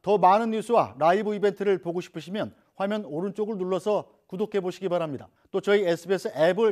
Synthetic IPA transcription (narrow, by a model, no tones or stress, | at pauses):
tʌmanɯnːus͈ʰɯwa̰ɾaibɯibe̞ntʰɯɾɯɭpoɡoɕʰi̥pʰɯɕʰimjʌn | ɸwamjʌnoɾɯnt͡ɕ͈oɡɯɭnuɭːʌsʰʌ | kudokʰe̞boɕʰiɡibaɾamɲida̰ | t͈ot͡ɕʌiesʰɯbesʰɯʔebɯɭ